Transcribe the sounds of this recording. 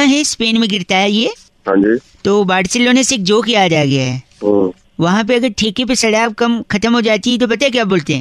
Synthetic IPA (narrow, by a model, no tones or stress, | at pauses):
aɦɛspeːnmẽɡɪɾt̪aɦɛjeː | ɦãːnd͡ʒiː | t̪oːbaːɽseloːneseeːk̚d͡ʒoːkjaːd̪aɡɐjaɦɛ | o | ʋɐɦãp̬eɐɡəɾʈʰeːkep̬esɐɽaːbkɐmxɐt̪əmɦod͡ʒaːt̪iɦɛt̪̬op̬ɐt̪aɦek̬jaːboːlt̪eɦɛ̰̃